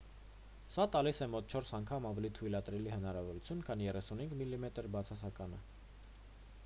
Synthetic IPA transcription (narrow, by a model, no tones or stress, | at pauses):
sɑt̪ɑlisɛmɔt̪̚t͡ʃʰɔɾsɑŋkʰɑmɑvɛlit̪ʰujlɑt̪ɾɛlihənɑɾɑvɔɾut͡sʰjunkʰɑnjɛrɛsunhiŋɡmilːimɛt̪əɾbɑt͡sʰɑsɑkɑnə̰